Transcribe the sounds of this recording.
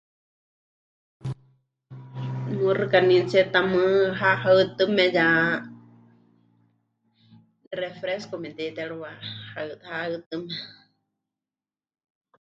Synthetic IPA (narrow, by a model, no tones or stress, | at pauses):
nurɨkanĩt͡sɛt̪amɨɦaʔhat̪ɨmɛja | refɾeskomɛd̪id̪ɛɺuwahat̪haɨt̪ɨmɛ